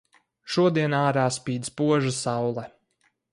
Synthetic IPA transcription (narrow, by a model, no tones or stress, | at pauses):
ʃuɔd̪iɛnaːɾaːspiːd̪zpuɔʒasawlˠɛ